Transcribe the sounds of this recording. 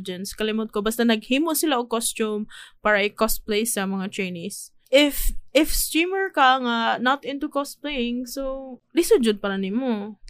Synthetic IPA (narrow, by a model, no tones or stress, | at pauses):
d͡ʒɛnskɐlɪmʊt̪̚kobast̪anɐɡ̚hiːmosɪlaʔokost͡ʃʊmpaːɹɐʔɪkost̪̚plejsɐmɐŋat̪ɹejnis | ʔɪfɪfst̪ɹiːmɛɹkɐŋanɐt̪ʔɪ̃nt̪ukos̚plejɪŋsolɪsʊd͡ʒʊd̪̚pɐɾɐnɪmo